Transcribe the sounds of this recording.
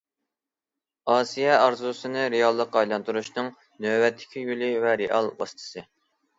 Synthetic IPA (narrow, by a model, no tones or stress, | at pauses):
ɑːsijɛɑɾzusɨnɨɾejɑlˠːəqɑjlˠɑnt̪uɾuʃnɨŋ | nøbɛt̪ʰːɪ̥kʲʰijylɪvɛɾeʔɑlˠwɑ̰st̪ʰɨ̥sɨ